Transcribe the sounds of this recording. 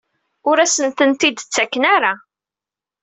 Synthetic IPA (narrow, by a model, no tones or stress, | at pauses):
ʊɾæsənt̪ənt̪id̪t͡sːækːənaɾa